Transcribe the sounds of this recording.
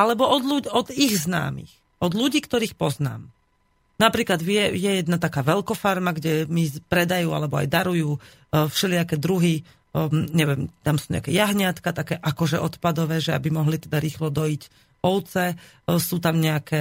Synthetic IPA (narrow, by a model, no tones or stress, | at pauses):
alɛbɔɔd̪luɟɔd̪iɣzna̰ːmḭx | ɔd̪ʎuɟiːkt̪ɔɾiːxpɔzna̰ːm | napɾiːklad̪ʋɪɛjɛjɛd̪nat̪akaːʋɛlkɔfaɾmaɡɟɛmipɾɛd̪ajuːa̰lɛbɔa̰jd̪aɾujuː | fʃɛlɪakɛd̪ɾuɦi | ɲɛʋɛmt̪amsu̥ːɲɛ̰akɛjaɦɲɪat̪kat̪akɛʔakɔʒɛʔɔt̪pad̪ɔʋɛːʒɛa̰bimɔɦlit̪ɛd̪aɾiːxlɔd̪ɔic | ɔʊt͡sɛ | suːt̪amɲɛakɛ